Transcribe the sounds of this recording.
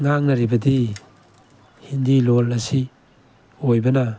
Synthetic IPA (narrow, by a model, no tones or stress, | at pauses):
ŋaŋnɐɾibɐdi | hindilolɐsi | ojbɐna